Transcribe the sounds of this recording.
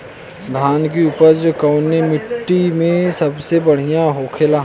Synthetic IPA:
d̪ʱaːnkiuːpəɾd͡ʒokɐʊnemɪʈːimẽsɐbsebəɽ̤ijãɦoːkʰelaː

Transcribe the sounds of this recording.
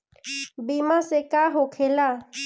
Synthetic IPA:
bimasekaɦʊkʰɛla

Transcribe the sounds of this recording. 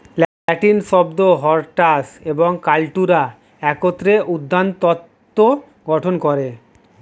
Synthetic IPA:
l | ʈinʃɔbd̪oɦɔɾʈaseboŋkalʈuɾa | ɛkot̪ːɾeʔud̪ʱːant̪ɔt̪ːo | ɡɔʈʰonkoɾe

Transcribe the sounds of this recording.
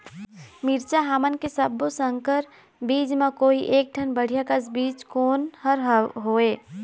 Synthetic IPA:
miɾt͡ʃaɦamənkesəbːosəŋkəɾ | bid͡ʒmekoiʔeːk̚ʈənbəɽ̤ijakəsbiːd͡ʒkoːnhəɾɦɦoe

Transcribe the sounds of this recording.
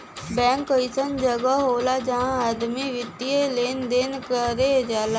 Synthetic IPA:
bɛ̃ːŋkəɪsənd͡ʒəɡaɦoːlad͡ʒəɦãad̪miʋɪt̪ieleːnd̪enkəɾed͡ʒaːla

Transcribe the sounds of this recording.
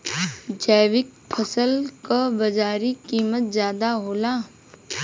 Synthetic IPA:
d͡ʒɛːʋɪk̚pʰəsəlkabɐd͡ʒaːɾikiːmət̪̚zjaːd̪aɦoːlaː

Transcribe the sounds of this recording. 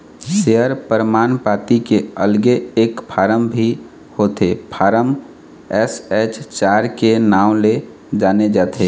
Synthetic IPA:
ʃeəɾpəɾmaːnpaːt̪ikeəlɡeeːkpʰaːɾəmbʱi | hoːt̪epʰaːɾəm | ɛsɛt͡ʃt͡ʃaːɾkenaːʊ̃le | d͡ʒaːned͡ʒaːt̪ʰe

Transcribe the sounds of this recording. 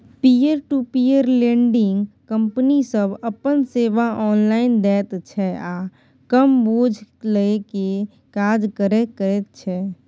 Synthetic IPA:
pieɾʈupiəɾlẽːɳɖɪ̃ŋɡkə̃mpnisəbəpənseːʋaʔɔːnlaːɪnd̪ɛːt̪t͡ʃʰɛaː | kəmboːd͡ʒʱləeke | kaːd͡ʒkəɾekəɾet̪̚t͡ʃʰɛː

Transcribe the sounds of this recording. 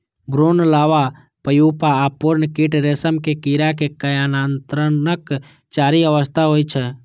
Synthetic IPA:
bɾoːnəlaːʋa | pəjupaːpuɾnəkiʈɾesəmkekiɾakekəjaːnaːnt̪ɾənək | t͡ʃaːɾiəʋəst̪ʰaɦoːit͡ʃʰɛ

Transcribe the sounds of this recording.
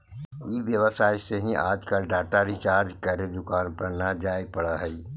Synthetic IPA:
iʋjəʋəsaːiseɦĩʔaːd͡ʒkaɖaːʈaɾit͡ʃaːɾkɐɾed̪ʊkaːnpɐɾnad͡ʒaːeɡ̚pɐɽaɦɛi

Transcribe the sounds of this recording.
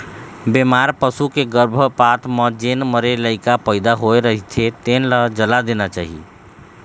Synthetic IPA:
bemaɾpəsukeɡəɾbʱəpat̪məd͡ʒenməɾeləɪkapəɪd̪aɦoeɾəɦit̪ʰet̪enləd͡ʒəlad̪enat͡ʃaɦḭ

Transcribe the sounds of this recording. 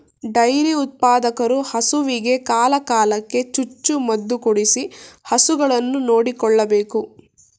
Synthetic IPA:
ɖɐjɾiut̪̚paːd̪ɐkɐɾuhɐsuʋiɡe̞kaːlɐkaːlɐkːe̞t͡ʃut͡ʃːumɐd̪ːukuɽisihɐsuɡɐɭɐnːuno̞ːɽikɔɭːɐbeːku

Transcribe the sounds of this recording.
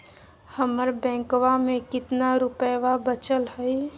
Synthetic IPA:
həməɾbɛ̃ːŋkwamẽkɪt̪naɾʊpəʋabət͡ʃəlhəj

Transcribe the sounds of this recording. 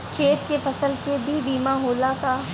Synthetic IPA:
kʰeːt̪kepʰɐsəlkebʱibiːmãɦoːlat̪aː

